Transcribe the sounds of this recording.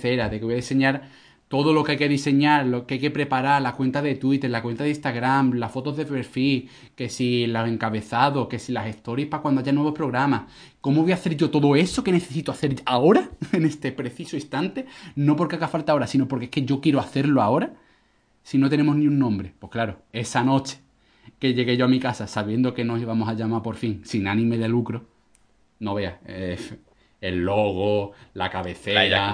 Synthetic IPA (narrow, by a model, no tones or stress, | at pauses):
θeɾaðekeβojaðise̞ɲaɾ | t̪o̞ðo̞lo̞kajke̞ðise̞ɲaɾlokeajke̞pɾe̞paɾaɾlakwe̞nt̪aðe̞t̪wit̪e̞ɾlakwe̞nt̪aðeist̪aɣɾamlasfo̞t̪o̞zðe̞peɾfi | ke̞silose̞ŋkaβe̞θaðo̞hke̞silase̞st̪o̞ɾjihpakwand̪aʝanweβo̞hpɾo̞ɣɾamah | ko̞moβojaθe̞ɾʝo̞t̪o̞ðoe̞so̞ke̞ne̞θe̞sit̪oaθe̞ɾao̞ɾaene̞st̪e̞pɾe̞θisoist̪ant̪e̞no̞p̬o̞ɾkeaɣafalt̪ao̞ɾasino̞po̞ɾkeehke̞ʝo̞kje̞ɾoaθe̞ɾloao̞ɾa | sino̞t̪̬e̞ne̞moɦniunːõmbɾe̞pwo̞hklaɾoe̞sano̞t͡ʃe̥ | ke̞ʎe̞ɣe̞ʝo̞amikasasaβ̞jend̪o̞ke̞no̞siβamo̞saʎamapo̞ɾfiŋsinanĩme̞ðe̞lukɾo̞ | no̞βe̞a | e̞lːo̞ɣ̞olakaβe̞θe̞ɾa